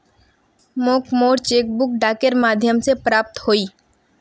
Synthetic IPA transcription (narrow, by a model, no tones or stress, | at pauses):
moːkmoːɾt͡ʃeːk̚bʊk̚ɖaːkəɾmaːd̪ʱjəmsepɾaːp̚t̪hoːiː